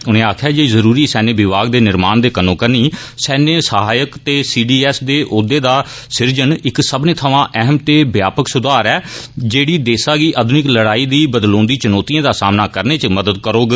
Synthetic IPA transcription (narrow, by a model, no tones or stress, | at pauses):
ʊnẽːaːkʰjaːd͡ʒeːiːzəɾuːɾiːsɛːneːbɪʋaːɡ̚d̪eːnɪɾmaːnd̪eːkənõːkəɾniːsɛːnesəɦaːjəkt̪eːsiːɖiːɛːsd̪eːʔʊd̪eːd̪aː | sɪɾd͡ʒənɪksəbneːt̪ʰəʋãːʔɛɦəmt̪eːbjaːpəksʊd̪aːɾɛːd͡ʒeːɽiːd̪eːsaːɡiːʔəd̪ʱʊnɪkləɽaːiːd̪iːbəd̪lõːnd̪iːt͡ʃənɔːt̪ijãːd̪aːsaːmnaːkəɾneːt͡ʃəməd̪əd̪̚kəɾoːɡ